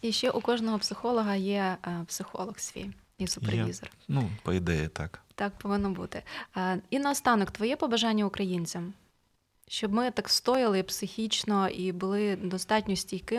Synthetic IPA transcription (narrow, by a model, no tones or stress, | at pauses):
iʃt͡ʃɛʔʊkɔʒnɔɦɔpsɪxɔlˠɔɦɐjɛpsɪxɔ̰lˠɔxsʲʋʲḭj | isʊperʋʲizɔ̰rnupɔid̪ɛjḭt̪ɑkt̪ɑk̚pɔʋɪnːɔbṵt̪ɪ | inɐɔst̪ɑnɔkt̪ʋɔjɛpɔbɐʒɑnʲːɐʊkɾɐjinʲt͡sʲɐm | ʃt͡ʃɔbmɪt̪ɑkst̪ɔjɪlˠɪpsɪxʲit͡ʃnɔʔibʊlˠɪd̪ɔst̪ɑtʲnʲɔsʲtʲihkɪ